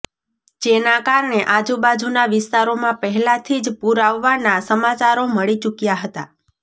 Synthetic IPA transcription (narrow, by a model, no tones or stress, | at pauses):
d͡ʒenakaɾɳ̃eʔad͡ʒubad͡ʒunaʋɪst̪aɾomãpəɦɛlat̪ʰid͡ʒpuɾaʋːanasəmat͡ʃaɾoməɭit͡ʃukjaɦət̪a̰